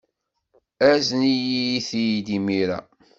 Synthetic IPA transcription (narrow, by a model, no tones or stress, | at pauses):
æznijijiθijd̪imiɾæ̰